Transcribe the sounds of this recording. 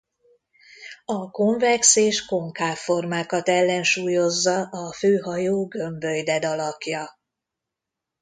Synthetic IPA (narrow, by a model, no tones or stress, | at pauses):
ɒko̞ɱvɛkseːʃko̞ŋkaːfo̞rmaːkɒt̪ɛlːɛnʃuːjo̞zːɒʔɒføːɦɒjoːɡø̞mbøjd̪ɛd̪ɒlɒkjɒ